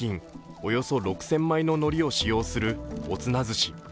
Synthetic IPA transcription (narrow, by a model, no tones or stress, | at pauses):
ĩŋ | o̞jo̞so̞ɾo̞kɯ̟̥sẽ̞mːaino̞no̞ɾʲio̞ɕijo̞ːsɨɾɯ̟o̞t͡sɨnazɨɕi